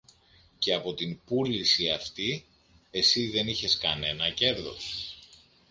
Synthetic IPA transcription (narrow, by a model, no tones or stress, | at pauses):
ce̞ɐpo̞t̪impulisiɐft̪i | e̞siðe̞niçe̞skɐne̞nɐce̞ɾðo̞̰s